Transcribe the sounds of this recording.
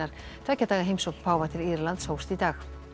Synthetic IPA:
aɾ̥t̪ʰaːcat̪aːɣaɦejmsɔkpʰaːwvat̪ʰɪliɾlant̪showst̪it̪aːx

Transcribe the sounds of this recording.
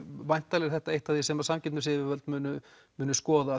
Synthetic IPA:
vajn̥t̪alɛɾ̥θɛht̪aejht̪aθisɛmaɾ̥samcɪt̪nʏsɪvɪvœlt̪mʏːnʏ | mʏːnʏskɔːða

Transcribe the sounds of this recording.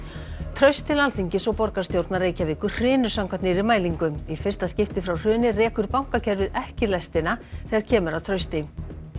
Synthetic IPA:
t̪ʰɾœɥst̪ʰɪlalθiɲcɪsɔwpɔɾkaɾ̥st̪jowɾt̪naɾreːjcavɪːkʏɾ̥r̥ɪːnʏ̥samkʰvant̪nɪɾɪmaːjliŋkʏmifɪr̥st̪ascɪft̪ɪfɾawr̥ʏːnɪrɛːkʏɾpawŋ̥kacʰɛɾvɪðɛhcɪlɛst̪ɪnaθɛːɣaɾ̥cʰɛːmʏɾawt̪ʰɾœɥst̪ɪ

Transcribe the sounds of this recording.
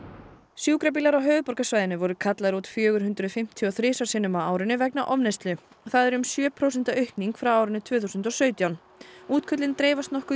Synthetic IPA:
sjuːkɾap̬ilaɾawɦœːvʏpɔɾkasvaːjðɪnʏvɔɾʏkʰat̪laɾut̪fjœːɣʏɾɦʉnt̪ɾʏðfɪm̥t̪ʰjɔθɾɪːsḁsɪnʏmaaːwɾɪnʏvɛknaʔɔnejst̪lʏ | ɔθaðɛɾʏmsjœːpʰɾows̬ɛn̥t̪aœɥhkniŋkfɾawaːwɾɪnʏt̪ʰvœːθusʏnt̪ɔsœːɥt̪jawn | uːt̪kʰœt̪lɪnt̪ɾeːjvast̪nɔhkʏ

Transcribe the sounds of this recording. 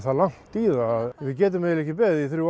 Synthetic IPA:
θaðlan̥t̪iːðaːðvɪðcɛːt̪ʏmɛðɪlɛhcːɪpɛːðiθɾju

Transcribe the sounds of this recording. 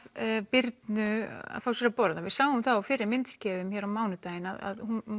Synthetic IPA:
pɪɾt̪nʏa̰ðfawsɛɾapɔɾðavɪðsaːwʏmθawafɪːɾɪɾmɪnt̪scɛːðʏmçɛːɾawmaːwnʏt̪aːjɪnaða̰ðhun

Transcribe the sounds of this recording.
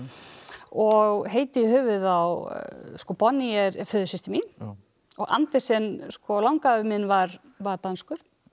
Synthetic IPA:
ɔɣɦeːjt̪ɪihʏːvʏðawskɔpɔnːiɛɾfʏːðʏsist̪ɪmi | ɔɣa̰nt̪ɪsɛnskɔlawŋkaʏmɪnːvaɾ | vaɾt̪anskʏɾ̥

